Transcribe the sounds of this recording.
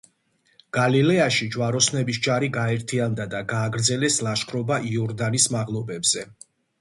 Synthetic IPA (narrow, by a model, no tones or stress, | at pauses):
ɡ̥alilɛaʃid͡ʒwaɾɔsnɛbisd͡ʒaɾiɡaɛɾt̪ʰiand̪ad̪aɡaːɡɾd̪zɛlɛslˠaʃkʰɾɔbaʔiɔɾd̪anismaʁlˠɔbɛbz̥ɛ